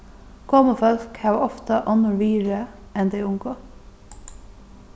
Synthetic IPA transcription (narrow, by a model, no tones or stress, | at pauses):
kʰoːməfœlkhæːʋɔft̪ɑʔɔnəɹʋiːɹə | ɛnd̪eɪʊŋɡoː